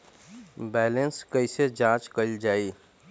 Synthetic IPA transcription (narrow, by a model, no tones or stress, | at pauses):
bɛːlənskəised͡ʒãːt͡ʃkəɪld͡ʒaːiː